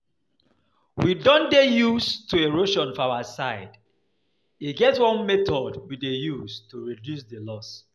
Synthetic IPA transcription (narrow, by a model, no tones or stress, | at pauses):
widɔ̃ndejuztueɹoʃɔ̃nfawasaɪd | itɡɛtswɔ̃nmɛtɔdwidejuztuɹidjus̬delɔs